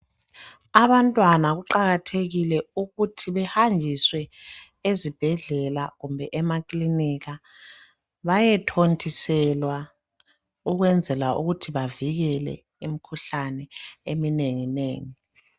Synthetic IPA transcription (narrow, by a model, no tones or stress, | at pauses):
aβantʼwanaɣuǃaɣatʰeɣilɛuɣutʰiβɛhand͡ʒʱiswɛ | ezib̥ʱɛɮɛlaɣumbʱɛʔɛmakʼliniɣa | βajɛtʰontʰisɛlwa | uɣwɛnd͡zʱɛlaʔṵɣutʰiβaviɣɛlɛ̰ | imikʰuɬanɛemineŋineːŋi